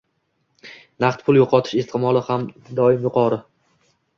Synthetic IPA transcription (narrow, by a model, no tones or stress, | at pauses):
naχt̪pʰʊlˠjoqʰɒt̪ʰɪʃɪst̪ʰɪmɒlˠɪhamd̪ɒɪmjʊqʰɒɾɪ